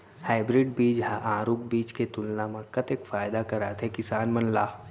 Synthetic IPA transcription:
haːɪbɾɪɖ̚biːd͡ʒɦaʔãːɾuːk̚biːt͡ʃket̪ʊlnamɐ̃kɐt̪eːkfaːjd̪akɐɾaːt̪ʰekɪsaːnmɐnla̰ː

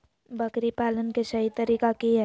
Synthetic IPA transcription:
bəkɾipaːlənkesɐɦit̪əɾiːkakiɦɛ

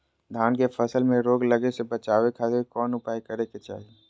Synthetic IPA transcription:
d̪ʱaːnkefʰɐsəlmẽɾoːɡlɐɡesebɐt͡ʃaːʋekʰaːt̪ekɔːnʊpaːjkɐɾeket͡ʃa̰ːɦie

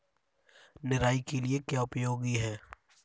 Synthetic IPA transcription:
nɪɾaːikeliekjaʊpjoːɡiɦɛː

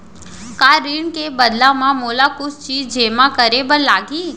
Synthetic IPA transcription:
kaɾiɳkebəd̪lamãmolakʊst͡ʃʰid͡ʒemãkəɾebəɾlaːɡʱiː

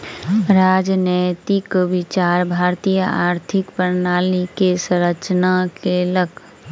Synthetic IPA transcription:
ɾaːd͡ʒnəjt̪ikʋɪt͡ʃaːɾbʱaːɾt̪ijəaːɾt̪ʰɪkpəɾnaːlikesəɾət͡ʃnakeləkʰ

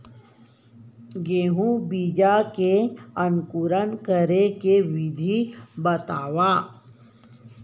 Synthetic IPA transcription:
ɡeːɦũbiːd͡ʒakeənkuɾənkəɾekeʋɪd̪ʱibət̪aːʋaː

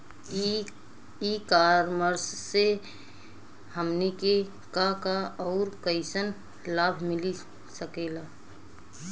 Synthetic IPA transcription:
ikaːɾməɾsːe | həmnike | kakaɔːɾkəɪsən | laːbʱmɪli | səkeːlaː

